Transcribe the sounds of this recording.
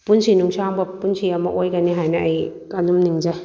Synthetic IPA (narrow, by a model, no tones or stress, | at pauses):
punsinuŋsaŋbɐpːunsiɐmɐʔojɡɐniɦajnɐɐjkanumniŋd͡ʒaj